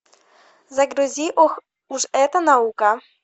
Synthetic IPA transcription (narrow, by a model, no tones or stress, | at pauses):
zɐɡɾuzʲiʔɔx | uʂɛt̪ɐnaukɐ